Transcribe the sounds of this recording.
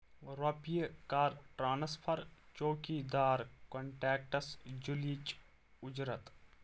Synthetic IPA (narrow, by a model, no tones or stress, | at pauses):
ɾopijəkaːɾʈɾaːnɐspʰɐɾt͡ʃoːkid̪aːɾkoɳʈɛːk̚ʈɐsd͡ʒulit͡ʃ | ʊd͡ʒɾət̪